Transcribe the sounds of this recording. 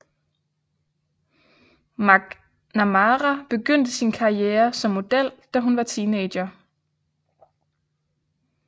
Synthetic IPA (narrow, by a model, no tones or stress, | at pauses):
mɑ̈ɡ̥ | næmɑʁab̥e̝ɡ̥øn̰d̥əsinkʰɑ̈ieːɐsɒ̽mːo̝d̥el̰d̥æɦunʋɑ̈t͡sʰiːneɪ̥jɐ